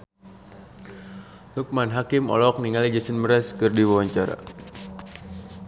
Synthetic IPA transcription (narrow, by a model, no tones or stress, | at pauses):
luk̚manɦakimɔ̰lɔk̚niŋalid͡ʒəsənməɾɛskɨrdiwawaɲt͡ʃaɾa̰